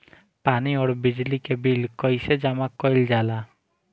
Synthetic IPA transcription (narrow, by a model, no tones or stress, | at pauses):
paniɔɽbid͡ʒlikebilkɔjsed͡ʒamakːɔjld͡ʒala